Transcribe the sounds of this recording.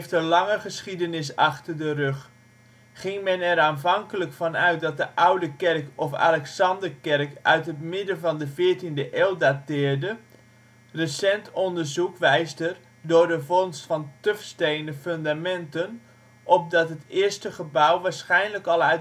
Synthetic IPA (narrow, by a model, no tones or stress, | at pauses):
ftənlɑŋəχəsχidənɪsɑχtərdərøχ | χɪŋmɛnɛɾaːnvɑŋkələkfɑnœɥt̚dɑt̚dəʔawdəkɛrkɔfa̰lɛksɑndərkɛrkʔœ̰ɥtɦətmɪdənvɑndəvɪːɹtindəʔeːlˠdatɪːɹdə | rəsɛntɔndərzukʋɛjsdər | dʊɹdəvɔnstfɑntøfstejndəføndamɛntən | ʔɔp̚dɑtɦətɪːəɹstəχəbawʋaːɹsχɛjnləkɑlˠœ